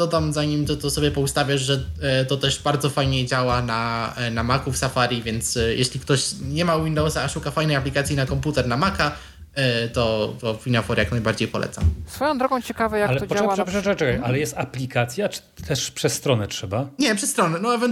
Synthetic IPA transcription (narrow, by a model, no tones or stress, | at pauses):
d̪ɔd̪amzaɲimt̪ɔt̪ɔsɔbʲjɛpɔust̪avʲjaʐʐɛt̪ɔt̪ɛʂbaɾd̪zɔfajɲɛd͡ʑawananamakufsafaɾʲivʲjɛnt̪sjɛɕlʲikt̪ɔɕɲɛmawind̪ɔwsaːʂukafajnɛjaplʲikat̪sʲjinakɔmput̪ɛɾnamaka | t̪ɔt̪ɔfinɔfɔɾjaknajbaɾd͡ʑejpɔlʔɛ̰t̪sa̰msfɔjɔ̃w̃d̪ɾɔɡɔ̃w̃t͡ɕɛkavɛjakalɛɔɔwaɛpɛɛkajalɛjɛst̪aplʲikat̪sʲjat͡ʂt̪ʰɛʂpʂɛsːt̪ɾɔnɛtʂɛbaɲɛpʂɛst̪ɾɔnɛnɔɛvɛn